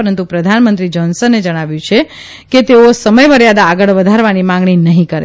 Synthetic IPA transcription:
əɾənt̪ũpɾəd̪ʱanmə̃nt̪ɾid͡ʒɔnsəned͡ʒəɽ̃aʋjũt͡ʃʰe | ket̪eosəməjməɾjad̪aːɡəɭʋəd̪ʱaɾʋanimãŋɡɳ̃inəɦĩkəɾḛ

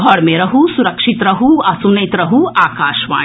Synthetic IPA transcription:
ɡʱɔɽmeɾɐɦusuɾɐkʃit̪ɾɐɦuɐsunɐjt̪ɾɐɦuaːkaːʃʋa̰ː

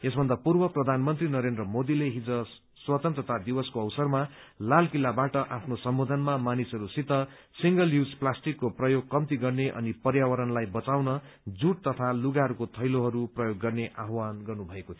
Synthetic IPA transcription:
esbʱʌnd̪apurbʌprʌd̪ʱanmʌnt̪rinʌɾend̪rʌmod̪ileɦid͡zʌ | swʌt̪ʌnt̪rʌt̪ad̪ibʌskoʌwsʌrmalalkilːabaʈʌʔapʰnosʌmbod̪ʱʌnmamanisʌɾusit̪ːʌ | siŋɡʌliwd͡zplasʈikːoprʌjoɡ̚kʌmt̪iɡʌrneʔʌ̰nipʌrjawʌɾʌnlajbʌt͡sawnʌ | d͡zuʈ̚t̪ʌt̪ʰaluɡaɦʌɾukot̪ʰʌjloɦʌɾuprʌjoɡːʌrneʔaɦwanɡʌrnubʱʌekot̪ʰi

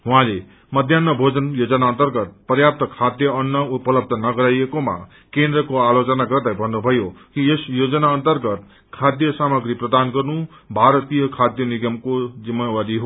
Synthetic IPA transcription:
ɦũãle | mʌd̪ʱjanːʌbʱod͡zʌnjod͡zʌnaʌnt̪ʌrɡʌt̪̚prjap̚t̪ʌkʰad̪jʌʌnːʌupʌlʌb̚d̪ʱʌnʌɡʌɾajekoma̰ | kend̪rʌkoalot͡sʌnaɡʌrd̪ajbʱʌnːubʱʌjokiesjod͡zʌnaʌnt̪ʌrɡʌt̪̚ | kʰad̪jʌsamʌɡɾiprʌd̪anɡʌrnu | bʱaɾʌt̪ijʌkʰad̪jʌniɡʌmkod͡zimːawaɾiɦo

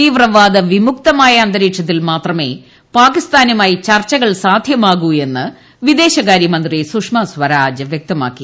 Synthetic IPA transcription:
t̪iːʋrɐʋaːd̪ɐʋimuk̚t̪ɐmaːjɐːnd̪ɐɾiːkʂɐt̪̬ːilmaːt̪rɐme̞̰ː | paːkist̪aːnumaːjit͡ɕɐrt͡ɕːɐɣɐɭsaːd̪ʱjɐmaːɣue̞nːɨ | ʋid̪e̞ːɕɐkaːɾjɐmɐnd̪risukʂmɐsʋɐɾaːd͡ʑɨʋjek̚t̪ɐma̰ːkːi

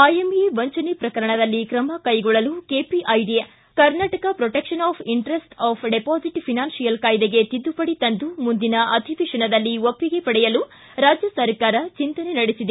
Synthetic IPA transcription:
aːjemeʋɐɲt͡ʃɐnipɾɐkɐɾɐɳɐd̪ɐlːikɾɐmɐkɐjɡɔɭːɐlukeːpiʔɐjɖijɐ | kɐɾnaːʈɐkɐpɾɔʈekʂɐnaːpʰiɳʈɾesʈaːpʰɖepaːsiʈpʰinaːnsijɐlkaːjd̪eɡe̞t̪id̪ːupɐɽit̪ɐnd̪umund̪inɐʔɐd̪ʱiʋiʂɐɳɐd̪ɐlːiopːiɡe̞pɐɽɛjɐlu | ɾaːd͡ʒjɐsɐɾkaːɾɐt͡ʃint̪ɐnenɐɽisid̪e

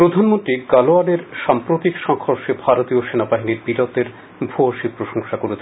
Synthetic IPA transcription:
pɾod̪ʱanmont̪ɾiɡaloaneɾʃampɾot̪ikʃɔŋhoɾʃebʱaɾot̪ioʃenabaɦiniɾbiɾɔt̪eɾ | bʱoaʃipɾoʃoŋʃakoɾet͡ɕʰe

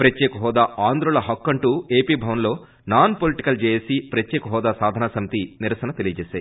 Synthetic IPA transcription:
pɾɐt̪ːeːkɐɦɔːd̪aːʔaːnd̪ɾulɐɦɐkːɐɳʈuːe̞ːpiːbʱɐʋɐnlo̞ː | naːnpoliʈikɐld͡ʒeːjeːsipɾɐt̪ːeːkɐɦɔːd̪aːsaːd̪ʱɐnaːsɐmit̪iniɾɐsɐnɐt̪elijɐt͡ʃɛːsaːjii

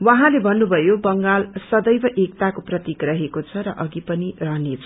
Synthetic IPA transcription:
wʌɦãlebʱʌnːubʱʌjobʌŋɡalsʌd̪ʌjbʌʔek̚t̪akoprʌt̪ikrʌɦekot͡sʰʌɾʌʔʌɡipʌnirʌɦʌnet͡sʰʌ̥

